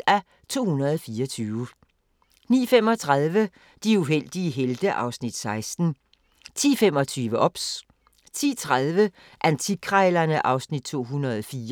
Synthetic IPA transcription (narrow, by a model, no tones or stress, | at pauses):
æ | t͡sʰo̝̰ːhunɐðˠɒfiːɐt͡sʰyːʊə | nḭːfem̰ɒ̽t͡sʰʁað̞ˠʋə | d̥iuɦel̰d̥iəɦeld̥əʔɑ̈ʊsnid̥sɑ̈ɪsd̥n̩ | t͡sʰḭːfem̰ɒ̽t͡sʰyːʋəʔɒ̽b̥s | t͡sʰḭːt͡sʰʁaðˠʋə | ʔænt͡sʰikʰʁɑɪlɐnəʔɑ̈ʊsnid̥̚t͡sʰo̝̰ːɦunɐðˠɒfiː